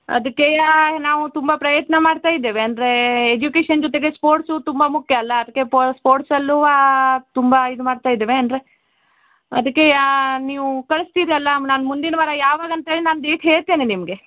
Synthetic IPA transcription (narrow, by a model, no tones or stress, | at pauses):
ɐ̰d̪ɐkːeanaːʋut̪umbɐpɾɐjɐt̪nɐmaːɖt̪aːjid̪ːeːʋeɐnd̪ɾe̞ːd͡ʒukeːʂɐnd͡ʒɔt̪̬eɡespoːɾʈsut̪umbɐmukʰjɐɐlːɐːd̪ɐkːepospoːɾʈsɐlːuat̪umbɐid̪umaːɖt̪aːjd̪eːʋeɐnd̪ɾe̞ | ɐd̪ɐkːeaniːʋukɐɭɨst̪iːɾiɐlːɐnaːnmund̪inɐʋaːɾɐjaːʋaːɡɐnt̪ɐɦeːɭinaːnd̪eːk̪ɦeːɭt̪eːninimɐɡe̞